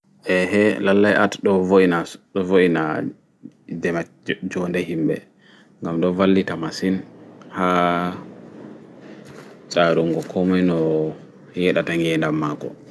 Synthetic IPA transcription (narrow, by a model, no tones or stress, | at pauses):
ʔɛhɛlalːajʔa̰tɗɔvoinaɗɔvoʔina | d͡ʒɛma | d͡ʒɔndɛhimbɛ̰ | ŋɡamɗɔvalːitamasinha | t͡ʃʼaɾuŋɡɔkʰɔmɔjnɔ | jɛɗataŋɡɛndamːaɡɔ̰